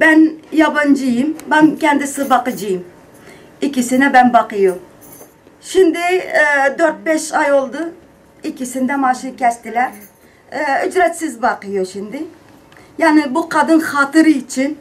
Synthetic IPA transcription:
bɛnjɑbɑnd͡ʒijimbɛnkʲɛnd̪ɪsɨbɑqəd͡ʒijim | ikʲisɪnɛbɛnbɑqəju | ʃimd̪ɪd̪øɾt̪̚bɛʃɑjolˠd̪ɨ | ikʲʰisɪnd̪ɛmɑːʃiɾkʲɛst̪ɪlæɾ | yd͡ʒɾɛt̪sɪzbɑqəjuʃind̪ɪ | jɑːnɪbuqɑd̪ɨnχɑːt̪ɨɾɨit͡ʃʰin

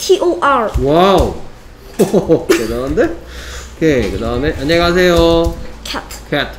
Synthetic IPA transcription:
tʰiʔoʔaɹwaw | okɯd̪and̪eokʰekɯdaneʔɐɲekas̬ʰejokʰatkʰatʰ

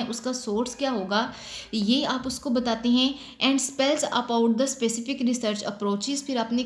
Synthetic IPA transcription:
ʔʊskasoːɾskjaːɦoːɡaː | jeaːpʊskobɐt̪aːt̪eɦɛ̃ | ɛ̃ːɳɖspɛlzɐ̰paʊʈ̚d̪əspeːsɪfɪkɾɪsəɾt͡ʃɐ̰pɾoːt͡ʃɪzpʰɪɾaːpne

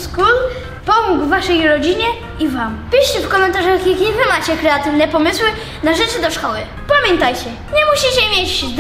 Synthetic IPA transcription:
skɾul | pɔmuɡvːaʂɛjɾɔd͡ʑiɲɛ | ivampʲiɕɛfkɔmɛnt̪aʐaxjaxʲivɘmat͡ɕɛkɾɛat̪ɘvnɛpɔmɘswɘ | naʐɛt͡ʂɘd̪ɔʂkɔwɘ | pamʲjɛnt̪ajt͡ɕɛ | ɲɛmuɕit͡ɕɛmʲjet͡ɕd̪

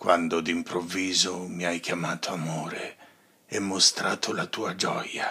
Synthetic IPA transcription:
kwand̪od̪impɾovːiːzomiajkjamaːt̪ʰoamoːɾe | ɛmːost̪ɾaːt̪ʰolat̪uːad͡ʒɔja

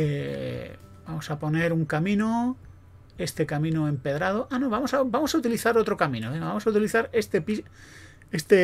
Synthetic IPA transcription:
e | bamosapo̞ne̞ɾuŋkamĩno | e̞st̪ekamĩnoẽ̞mpe̞ðɾað̞oʔanoβamosabamo̞saut̪̬iliθaɾot̪ɾokamĩnoβeŋɡaβamosaut̪iliθaɾest̪epi | est̪e

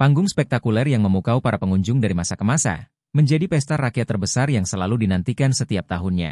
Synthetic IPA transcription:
paŋɡʊŋspɛk̚t̪akulɛrjaŋməmukaupaɾapəŋuɲd͡ʒʊŋdaɾimasakəmasa̰ | məɲd͡ʒadipɛst̪arakiat̪ːərbəsarjaŋsəlaludinant̪ikansət̪iap̚t̪aɦʊnɲa̰

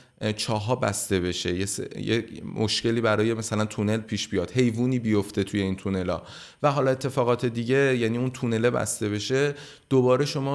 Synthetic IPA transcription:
t͡ʃʰɒːɦɒːbæst̪e̞βe̞ʃe̞jesjḛmʔoʃce̞liːbæɾɒːje̞mæsælænt̪ʰune̞lpʰiːʃbijɒːd̪̥he̞jvuːniːbijo̞ft̪e̞t̪ʰuje̞iːnt̪ʰune̞lɒ̰ː | væɦɒːlɒːet̪ʰːe̞fɒːɣɒːt̪ʰe̞d̪iɟe̞jæniːunt̪ʰune̞lebæ̰st̪e̞βe̞ʃe̞ | d̪̥obɒːɾe̞ʃo̞mɒː

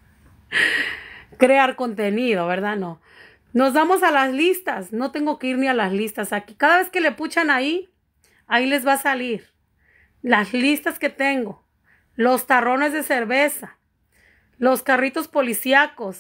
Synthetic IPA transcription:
kɾeaɾko̞nt̪e̞niðo̞βe̞ɾðano̞ | no̞zβamo̞salazlist̪asno̞t̪e̞ŋɡo̞keiɾnialazlist̪asakikaðaβ̞e̞ske̞le̞put͡ʃanai | aile̞zβasaliɾ | lazlist̪aske̞t̪e̞ŋɡo̞ | lo̞st̪aro̞ne̞zðe̞se̞ɾβe̞sa | lo̞skarit̪o̞spo̞lisjako̞s

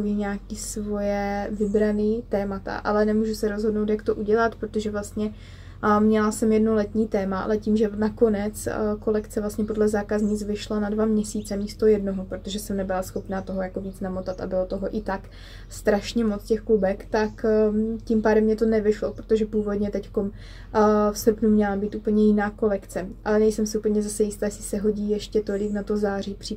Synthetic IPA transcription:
viːɲaːkiːsvo̞jɛvɪbɾaniːt̪ɛːmat̪a̰ʔalɛnɛmuːʒusɛɾozɦodno̞wt̪jakt̪o̞ʔuɟɛlat̪pɾo̞t̪o̞ʒɛvlast̪ɲɛ | mɲɛlasɛmjɛdnolɛt̪ɲiːt̪ɛːmaʔa̰lɛciːmʒɛnako̞nɛt͡sko̞lɛkt͡sɛvlast̪ɲɛpo̞dlɛzaːkazɲit͡svɪʃlanadvamɲɛsiːt͡sɛmiːst̪o̞jɛdno̞ɦopɾo̞t̪o̞ʒɛsɛmnɛbɪlasxo̞pnaːt̪o̞ɦo̞jako̞viːt͡snamot̪at̪a̰bɪlo̞t̪o̞ɦo̞ʔɪt̪ak | st̪ɾaʃɲɛmo̞t͡scɛxklubɛkt̪akcimpaːdɛmːɲɛt̪o̞nɛvɪʃlopɾot̪o̞ʒɛpuːvo̞dɲɛt̪ɛcko̞m | fsrpnumɲɛlabiːt̪ʔuːpl̩ɲɛjɪnaːko̞lɛkt͡sɛʔalɛnɛjsɛmsɪuːpl̩ɲɛzasɛjɪst̪aːjɛslɪsɛɦo̞ɟiːjɛʃcɛt̪o̞lɪknat̪ozaːr̝iːpr̝̥ɪ

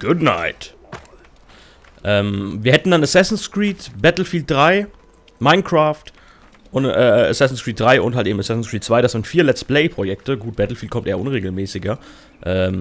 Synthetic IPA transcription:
ɡ̥ʊdna̰ɪt | ʔɛːmviːɐhɛtn̩danasɛsn̩skʁiːtb̥ɛtl̩fiːlt̚d̥ʁaɪ | maɪnkʁ̥aːft | ʔʊnʔɛːa̰sɛsn̩skʁ̥iːt̚d̥ʁaɪʔʊnthalteːbm̩asɛsn̩skʁ̥iːtt͡sv̥aɪɾasz̥ɪntfiːɐlɛt͡spleɪpʁ̥ojɛk̚təɡuːt̚b̥ɛtl̩fiːlt̚kɔmtʔeːɐʔʊnʁeːɡl̩mɛːsɪɡɐ | ʔɛːm

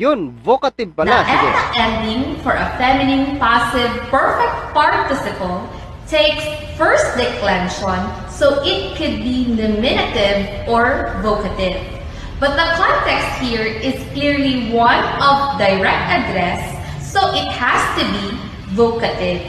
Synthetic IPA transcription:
jʊnvokɐt̪ɪvpɐldaʔɛ̃nd̪ɪ̃ŋfɔɹʔɐfɛmɪnɪ̃ŋpasɪvpɛɹfɛk̚t̪̚paɹt̪ɪsɪpəlˠ | t̪ʰeɪks | fɛɹst̪̚d̪ɛkʰlɛ̃nʃɔ̃n | sowʔɪt̪̚kʰʊd̪̚bilɪmɪnɪt̪ɪv | ʔɔɹvokɐt̪ɪv | bɐt̪̚d̪ɐkʰɔ̃nt̪ɛkst̪̚hiɹɪskliɹliwʌ̃nɔvd̪ajɹɛk̚t̪ɐd̪ɾɛsː | owʔɪt̪̚hæst̪ubi | vokɐt̪ɪv

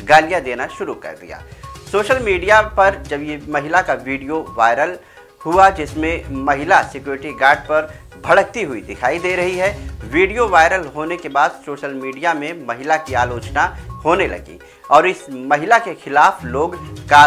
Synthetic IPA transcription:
ɡaːlijad̪eːnaʃʊɾukɐ̰ɾd̪ḭja̰ːsoːʃəlmiːɖijapɐɾd͡ʒɐbjemɐɦɪlakaʋiːɖijoʋa̰ːɪɾəl | huad͡ʒɪsmẽmɐɦɪlasɪkjuːɾɪʈiɡaːɾɖ̚pɐɾ | bʱɐɽək̚t̪iɦʊid̪ɪkʰaːid̪eːɾɐɦiɦɛʋiːɖijoʋaːɪɾəlɦoːnekebaːd̪soːʃəlmiːɖijamẽmɐɦɪlakiaːloːt͡ʃnahoːnelɐ̰ɡḭː | ɔːɾɪsmɐɦɪlakexɪlaːfloːɡka

